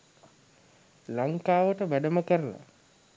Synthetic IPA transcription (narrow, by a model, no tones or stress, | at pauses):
laŋkaːʋəʈəʋæɖəməkəɾəla̰